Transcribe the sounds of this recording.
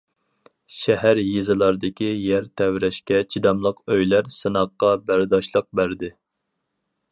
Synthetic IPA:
ʃɛhæɾjizɨlˠɑɾd̪ɪkʲʰijæɾt̪ʰɛwɾɛʃkʲɛt͡ʃʰid̪ɑmlˠəqøjlæɾsɨnɑqːɑbæɾd̪ɑʃlˠəq̚bæɾd̪ɪ

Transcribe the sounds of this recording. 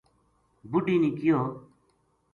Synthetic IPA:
bʊɖiːniːkɪjoː

